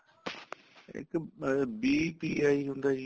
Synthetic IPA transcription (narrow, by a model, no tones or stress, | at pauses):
ɦɪ̰kbiːpiːaːiɦũːnd̪aːd͡ʑi